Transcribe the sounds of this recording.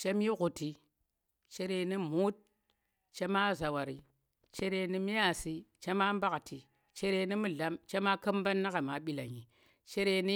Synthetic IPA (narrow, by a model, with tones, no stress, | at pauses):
t͡ʃe˦mji˦ɡu˨ti˨ | t͡ʃe˦ɾe˨ni˦mu˦t̚ | t͡ʃe˦ma˦za˨wa˨ɾi˨ | t͡ʃe˦ɾe˦ni˦mi˦ja˨si˦t͡ʃe˦ma˦m˦ba˦ktʰi˨ | t͡ʃe˦ɾe˦ni˦mu˦ɮa˦mt͡ʃe˦ma˦kə˦mba˦nːa˦ka˨ma˨ɓi˦la˨ɲi˨ | t͡ʃe˦ɾe˦ni˦